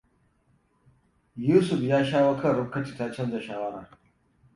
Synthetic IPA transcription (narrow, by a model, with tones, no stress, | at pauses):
juː˦su˨fjaː˦ʃaː˦wɐ˦kʰɐ˦˨ɾu˦kɐ˦ti˨ta˦t͡ʃɐ˦ndɐ˨ʃaː˨wɐ˦ɾa˨